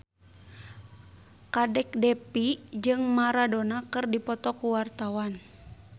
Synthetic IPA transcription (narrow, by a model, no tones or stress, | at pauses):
kadɛk̚dɛpid͡ʒɨŋmaɾadɔnakɨrdipɔt̪ɔkuwart̪awan